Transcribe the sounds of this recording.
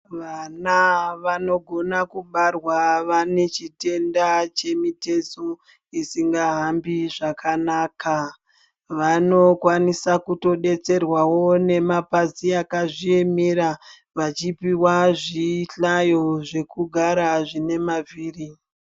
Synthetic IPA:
ʋanaʋano̞ɡʱo̞nakuɓarwaʋane̞t͡ʃite̞ndat͡ʃe̞mite̞zo | isiŋɡaɦambiʐakʰanaːkʰa | ʋano̞kwanisakuto̞ɗe̞t͡se̞rwawo̞ne̞mapaziakaʐie̞meɾa | ʋat͡ʃipiwaʐiɬajo̞ʐe̞kuɡʱaɾaʐine̞maviːri

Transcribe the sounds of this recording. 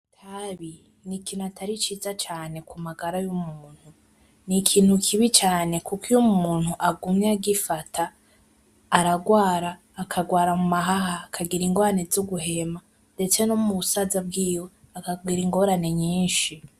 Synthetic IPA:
tʰaβi | nikiːn̥uatʰaɾit͡ʃiːzat͡ʃaːne̞kumaɡaɾajumuːn̥hu | nikʰiːn̥hukʰiβit͡ʃaːne̞kukijumuːn̥huʔaɡumɲaɡifatʰaː | ɾaɡwaːɾaːkʰaɡwaːɾamumaɦahaːkʰaɡiɾiŋɡoɾanezuɡuɦe̞ma | nde̞t͡se̞nomuβusazab̚ɡiːjo̞akaɡwiːɾiŋɡo̞ɾane̞ɲiːnʃi

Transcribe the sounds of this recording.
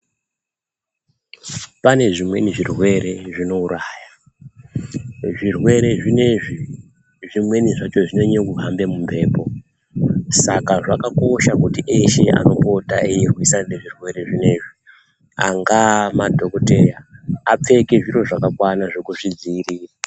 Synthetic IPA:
pane̞ʐimwe̞niʐirwe̞ɾe̞ʐino̞uɾaːja | ʐirwe̞ɾe̞ʐine̞ʐi | ʐimwe̞niʐat͡ʃo̞ʐine̞ɲekuɦambe̞mumbʱe̞ːpo̞ | sakaʐakako̞ʃakutiʔeʃea̰no̞po̞taʔeirwisanneʐirwe̞ɾe̞ʐine̞ʐi | a̰ŋɡamadʱo̞kote̞jaːp͡fe̞ke̞ʐiɾo̞ʐakakwanaʐe̞kuʐid͡ziːriːra

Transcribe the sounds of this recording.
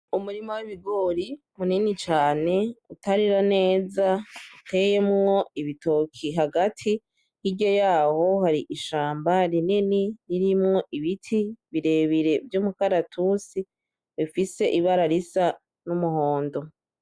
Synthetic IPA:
umuɾimowiβiɡo̞ːɾi | muninit͡ʃaːne̞utʰaɾiɾane̞ːzautʰe̞jemŋo̞iβitokʰiɦaɡatʰi | hiɟo̞jaːho̞haɾiʔiʃaːmbaɾininiɾiɾimŋo̞ʔiβitʰiβiɾe̞βiɾe̞vjuːmukaɾatʰusi | βifise̞ʔiβaɾaɾisa | numuhoːndo̞

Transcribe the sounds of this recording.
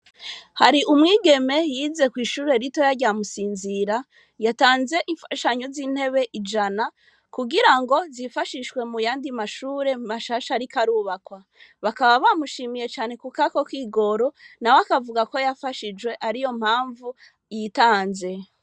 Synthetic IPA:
haɾiʔumŋiːɡe̞me̞jize̞kwiːʃuːɾe̞ɾito̞jaɟamusiːnziɾa | jataːnze̞ʔiɱfaʃaɲo̞ziːn̥he̞βe̞ʔid͡ʒana | kuɡiɾaŋɡo̞zifaʃiʃwe̞mujaːndimaʃuːɾe̞maʃaʃaɾikaɾuβakwa | βakaβaβamuʃiːmije̞t͡ʃaːne̞kukako̞kwiːɡo̞ɾo̞nawakavuɡako̞jafaʃid͡ʒwe̞ʔaɾijo̞m̥haːɱvu | jitaːnze̞

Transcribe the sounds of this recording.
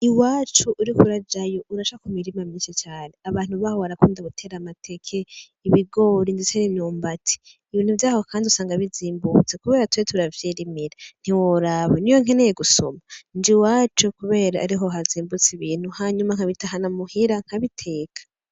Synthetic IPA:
iwaːt͡ʃuʔuɾikuɾad͡ʒajoʔuɾaʃakumiɾimaminset͡ʃaːneaβaːn̥huβaːhoβaɾakuːndaβutʰe̞ːɾamatʰe̞kʰe̞ | iβiɡo̞ːɾindesenimɲuːmbatʰi̥ː | βiːnhuvjaːhokʰaːndiusaːŋɡaβiziːmbut͡sekuβe̞ːɾatwetuɾavjiɾimiɾen̥iwoɾaβonijoŋenejeɡuso̞̰mand͡ʒiwaːt͡ʃukuβe̞ːɾaːɾiɦo̞ɦaziːmbut͡siβiːn̥huhaɲumaŋ̥aβitaɦanamuhiɾaŋ̥haβitʰe̞ːkʰḁ

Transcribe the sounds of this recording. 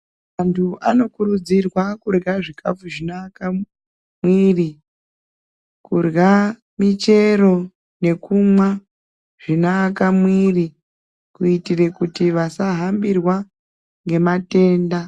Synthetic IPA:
antʰuʔano̞kuɾud͡zirwakurɣaʐikʰafuʐinaka | mwiːri | kurɣa | mit͡ʃe̞ɾo̞ | ne̞kumwa | ʐ̥inaːkamwiri | kuitire̞kutiʋasaɦambirwa | ŋɡe̞mate̞ːnda

